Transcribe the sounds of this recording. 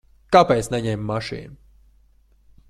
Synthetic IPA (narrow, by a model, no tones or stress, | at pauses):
kapɛjt̪snɛɲɛmːaʃḭːnu